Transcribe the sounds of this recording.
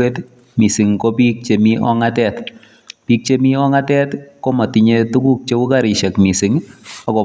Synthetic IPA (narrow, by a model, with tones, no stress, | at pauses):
e˦t | mi˨si˨ŋkɔ˦pi˦k̚t͡ʃe˨mi˦ʔɔ̰˦ŋa˦tɛ˦t | pi˦k̚t͡ʃe˦mi˦ɔ˦ŋa˦tɛ˦tkɔ˦ma˨ti˨ɲe˦tu˦ku˦k̚t͡ʃe˦u˦ka˦ɾɪ˨ʃɛ˨kmi˨si˨ŋa˨kɔ˨